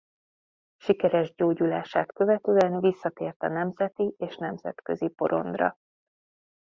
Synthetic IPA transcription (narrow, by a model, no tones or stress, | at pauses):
ʃikɛɾɛʒɟoːɟulaːʃaːt̪kø̞vɛt̪øːɛnvisːɒt̪eːrt̪ɒnɛmzɛt̪iʔeːʃnɛmz̥ɛ̰t̪kø̞zipo̞̰ɾo̞̰nd̪rɒ̰